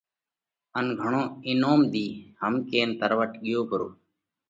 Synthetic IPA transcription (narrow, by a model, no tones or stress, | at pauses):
ənɡʱəɳõːɪnoːmd̪iːhəmkeːnt̪əɾʋəʈɠɪjoːpəɾoː